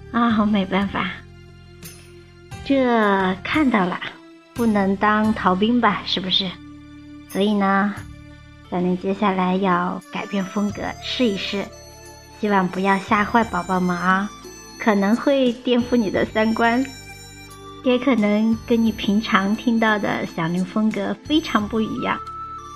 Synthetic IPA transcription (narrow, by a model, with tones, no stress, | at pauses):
ɐ˥˩˧me˧˥ɪpa˥˩nfa˨˩ | ʈ͡ʂɤ˥˩kʰa˥˧nt̪ɑ˥˩ʊlə̰˩ | pu˥˩nɤ˧˥ŋt̪ɑ˥ŋt̪ʰɑ˧˥ʊp̬i˥ŋbɐ˨ʂɻ̩˥˩bu˩ʂɻ̩˥˩ | swɔ˧˥i˨˩nə˦ | t͡sa˨˩ɪnə˧˥˩t͡ɕjɛ˥ɕja˥˩la˧˥ɪjɑ˥˩ʊka˨˩ɪpjɛ˥˩nfɤ˥ŋkɤ̰˧˥ʂɻ̩˥˩i˨˩ʂɻ̩˥˩ | ɕi˥wa˥˩ŋpu˧˥jɑ˥˧ʊɕja˥˧xwa˥˩ɪpɑ˨˩ʊpɑ˥˩ʊma˩˥ | kʰɤ˨˩nɤ˧˥ŋxwe˥˧ɪt̪jɛ˥˧nfu˥˩ni˨˩d̪ə̰˦sa˥nkwa˥n | jɛ˧˥kʰɤ˨˩nɤ˧˥ŋkə˥nni˨˩pʰi˧˥ŋʈ͡ʂʰɑ˧˥ŋt̪ʰi˥ŋt̪ɑ˥˩ʊd̪ə̰˨˩ɕjɑ˨˩ŋli˧˥ŋfɤ˥ŋkɤ˧˥fe˥ɪʈ͡ʂʰɑ˧˥ŋpu˥˩ḭ˧˥jɑ̰˥˩ŋ